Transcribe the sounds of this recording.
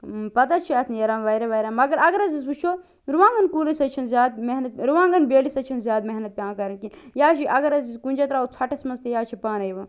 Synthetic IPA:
pɐt̪at͡ʃʰiɐt̪ʰnjɐɾaːmʋɐjɾeʋɐjɾamɐɡɐɾɐɡɐɾɐzisbut͡ʃʰoː | ɾuʋãːŋɡɐnkuːlɐsɐt͡ʃʰɐnzʲjaːd̪̚meɦnɐt̪̚ɾuʋãːŋɡɐnbeːlisɐt͡ʃʰinzjaːd̪meɦnɐt̪̚pʲãːkɐɾɐnkinjaːt͡ʃʰiʔɐɡɐɾɐziskunʲd͡ʒɐt̪ɾaːut͡sʰɐʈɐsmɐnzt̪ejaːt͡ʃʰipaːnɐjʋaː

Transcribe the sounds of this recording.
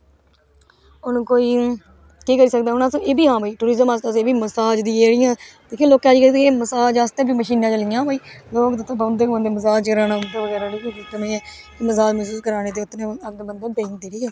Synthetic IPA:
ʊnkoːiː | kiːkəɾiːsəkd̪aːɦʊnãːsõʔeːbiːɦãːbaiːʈuːɾɪːzəmaːst̪ãːseːbiːməsaːd͡ʒd̪iːeːɽɪːãːd̪eːkʰẽːloːkãːd͡ʒikət̪eeːməsaːd͡ʒaːst̪ẽːbiːməʃiːnãːt͡ʃəlɪjãːbaiː | loːkd̪ət̪ãːbənd̪eːə̃nd̪eːməsaːd͡ʒkəɾaːnaːʊnd̪aːʋəɡɛːɾaːɽiːkːd͡ʒɪt̪ːəmẽːɛː | kɪməsaːd͡ʒməsiːd͡ʒkəɾaːneːd̪eːʊt̪ːnẽːəɡ̚d̪bənd̪ãːbẽːŋk̚d̪iːɾiːɛː

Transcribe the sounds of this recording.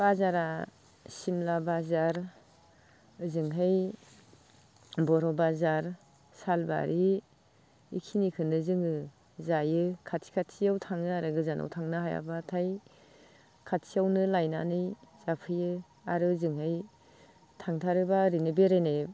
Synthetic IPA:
b̥azaɾa | simlabazaɾ | ɯzɯŋɦɯj | bɔɾɔbazaɾ | salba̰ɾʔi | ḭkʰinikʰɯnɯzɯŋɯ | zajɯkʰatʰi̥kʰatʰijawtʰaŋnɯaɾɯɡɯzanʔa̰wtʰaŋnɯɦaja̰batʰaj | kʰatsʰiawnɯlajna̰nɯjz̥apʰɯjɯ | aɾɯzɯŋɦɯj | tʰaŋtʰaɾɯbaɾinɯbeɾene

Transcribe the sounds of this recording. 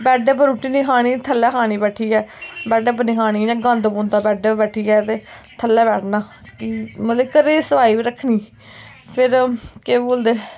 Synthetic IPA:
bɛːɖɛːp̬əɾuʈʰːiːniːkʰaːñiːt̪ʰəlːɛːkʰaːñiːbɛːʈʰiːɛːbɛːɖɛːpəniːkʰaːñiːnɛ̃ːɡə̃nd̪bõːnd̪aːbɛːɖebɛːʈʰiːɛːt̪eːt̪ʰəlːɛːbɛːʈʰnaː | kimət̪leːkəɾeːsəʋaːiːbiːɾəkʰniː | pʰɪɾkeːboːld̪eː

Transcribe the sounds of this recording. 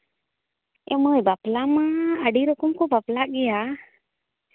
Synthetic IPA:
ɛ̰məjbaplamaəɖiɾɔkɔmkɔbaplaʔɡɛja

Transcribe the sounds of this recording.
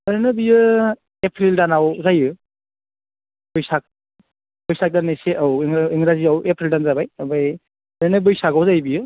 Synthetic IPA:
aɾanɯbijɯ | epʰɾildanawzajɯ | b̥ɯjsak̚ | bɯjsak̚daneseʔɯwiŋiŋɾaziawepʰɾildanzabajabaj | aɾanɯbɯjsakawzajbijɯ

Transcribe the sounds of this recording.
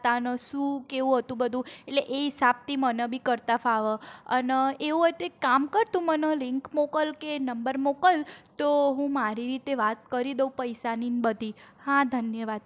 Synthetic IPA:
t̪anəʃũkeʋũɦət̪ũbəd̪ʱũeʈleʔeɦisab̚t̪ʰimənebʱikəɾt̪afaʋəəneʋũɦɔjt̪oekamkəɾt̪ũmənelɪŋkmokəlkenəmbəɾmokəlt̪oɦũmaɾiɾit̪eʋat̪̚kəɾid̪əupəjsaninbəd̪ʱihãd̪ʱənjəʋad̪̚

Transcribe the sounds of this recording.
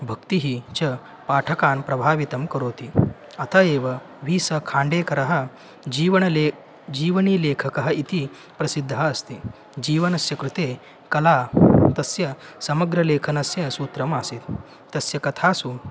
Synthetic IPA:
bʱəkt̪iɦit͡ɕɐ | paʈʰəkanpɾɐbʱaːʋit̪ɐmkɐɾoːt̪iː | ɐt̪aeːʋɐ | ʋiːsəkʰãːɳɖekɐɾaɦɐ | iʋɳle | d͡ʑiːʋniːleːkʰəkɐɦɐit̪i | pɾɐsid̪ʱːaːst̪iː | d͡ʑiːʋɐnɐsjɐkɾut̪e | kɐlat̪ɐsjɐsɐməɡɾɐleːkʰɐnɐsjɐ̃suːt̪ɾɐmasiːt̪ː | ɐsjɐkɐt̪ʰasuː

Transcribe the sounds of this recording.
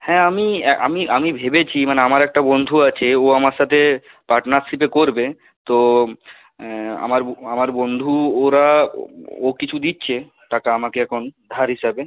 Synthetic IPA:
hɛ̃amiʔa̰miʔamibʱebet͡ɕʰimaneamaɾɛk̚ʈabond̪ʱuat͡ɕʰeoamaɾʃat̪ʰe | paɾʈnaɾʃipekoɾbe | t̪o | a̰maɾamaɾbond̪ʱuoɾa | okit͡ɕʰud̪itːɕʰe | ʈakaamakeɛkʰond̪ʱaɾɦiʃabe

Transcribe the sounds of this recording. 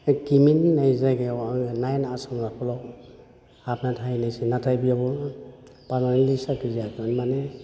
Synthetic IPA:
kimininajzaɡeaŋnajnasɔŋzapʰɔlɔk | apnatʰajnasinatʰajbijabɔ | pananilisakiziakʰɔnmane

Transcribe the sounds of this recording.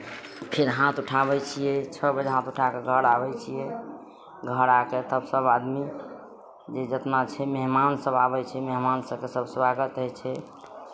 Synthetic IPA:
pʰeɾɦãt̪uʈʰabɛt͡ʃʰijɛt͡ʃʰəbəd͡ʒɦãt̪uʈʰakeɡʱəɾabɛt͡ʃʰijɛ | ɡʱəɾaket̪əbsəbad̪mi | d͡ʒed͡ʒət̪nat͡ʃʰɛmeɦmansəbabɛt͡ʃʰɛmeɦmansəbkesəbswaɡət̪ɦəjt͡ʃʰɛ

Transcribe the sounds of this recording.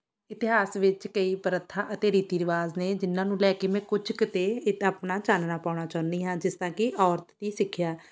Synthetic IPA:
ɪt̪ɪɦaːsʋɪt͡ʃkəiːpəɾət̪ʰːãːʔət̪eːɾiːt̪iːɾɪʋaːzneːd͡ʒɪnːãːnũːlɛːkeːmɛ̃ːkʊd͡ʒkɪt̪eːɪt̪aːpnaːt͡ʃaːnnaːpaːʊɽ̃aːt͡ʃaːʊnd̪iːɦãːd͡ʒɪst̪ãːkɪʔɔːɾt̪t̪iːsɪkʰːjaː

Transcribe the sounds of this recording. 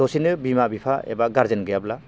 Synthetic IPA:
ɔsinɯbimabipʰaḛbaɡaɾzenɡɯjabla

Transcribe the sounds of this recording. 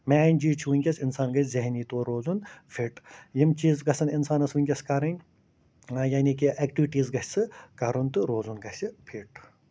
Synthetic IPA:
maːnʲd͡ʒiːt͡ʃʰiʋunʲkʲɐsʲinsaːnɡɐzɐɦniːt̪oːɾoːzunpʰiʈjimt͡ʃiːzɡɐsɐninsaːnɐsʋɨnʲkʲɐskɐɾɐnʲ | jaːnikiʔekʈiʋʈiːzɡɐsʲsɨkɐɾunt̪ɨɾoːzunɡɐsʲipʰiʈ

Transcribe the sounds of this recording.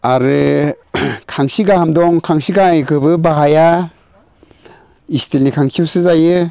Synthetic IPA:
aɾɯ | kʰaŋsiɡahamdɔŋkʰaŋsiɡaekʰɯbɯbaɦaja | istʰilnikʰaŋkʰisɯzajɯ

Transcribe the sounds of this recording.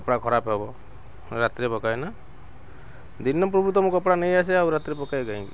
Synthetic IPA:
kɔpɽakʰɔɾapɦebɔ | ɾat̪ɾepɔkajna | d̪inːɔpɾɔbʱut̪ɔmũkɔpɽanejas̬eawɾat̪iɾepɔkajɡaĩki

